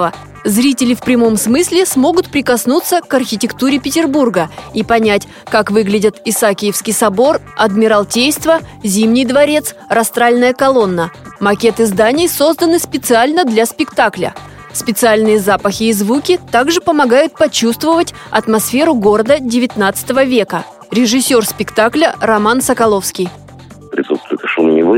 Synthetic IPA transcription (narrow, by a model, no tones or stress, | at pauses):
ə | zɾʲitʲɪlʲɪfpɾʲɪmo̞msmɨsʲlʲɪsmo̞ɡʊt̪pɾʲɪkɐsnut̪səkɐrxʲɪtʲɪkt̪uɾʲɪpʲɪtʲɪrburɡəipɐnʲætʲ | kakvɨɡlʲɪdʲɪt̪ɪsakʲɪjɪfskʲɪjsɐbo̞r | ɐd̪mʲɪɾɐlˠtʲejst̪vəzʲimnʲɪjd̪vɐɾʲe̞t̪srɐst̪ɾalʲnəjəkɐlˠo̞nːəmɐkʲet̪ɨzd̪anʲɪjso̞zd̪ənɨspʲɪt̪sɨalʲnəd̪lʲaspʲɪkt̪aklʲə̰ | spʲɪt̪sɨalʲnɨjəzapəxʲɪːzvukʲɪt̪aɡʐɨpəmɐɡajʊt̪̚pɐt͡ɕust̪vəvətʲ | ɐt̪mɐsfʲe̞ɾʊɡo̞ɾəd̪ədʲɪvʲɪt̪nat̪sɨ̥t̪əvəvʲe̞kə | ɾʲɪʐɨsʲːo̞rspʲɪkt̪aklʲərɐmansəkɐlˠo̞fskʲɪj | pɾʲɪsut̪st̪vʊjʊt̪ʂumʲnʲɪvɨ